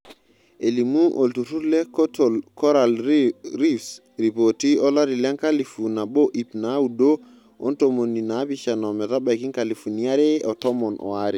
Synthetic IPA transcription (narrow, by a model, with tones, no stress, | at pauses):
e˨limu˦ʔo˨ltu˨tu˦ɾlɛ˦kotolkɔ˦ɾalɾifs | ɾi˨poti˦ɔ˦la˦ɾi˨lɛ˦ŋka˦li˨funa˨bo˦ʔi˨pna˦u˨do | o˦ntomoni˨na˨˦pit͡ʃa˨nɔ˨mɛ˨ta˦ba˨ki˦ŋkali˨fu˨ni˦a˦ɾe˦ɔ˨tɔ˦mɔ˨nʔɔ̰˨waɾi˨